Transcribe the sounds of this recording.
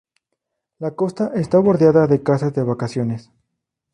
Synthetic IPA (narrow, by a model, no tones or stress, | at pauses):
lako̞st̪aʔest̪aβo̞ɾðjaðaðe̞kasazðeβakasjo̞nes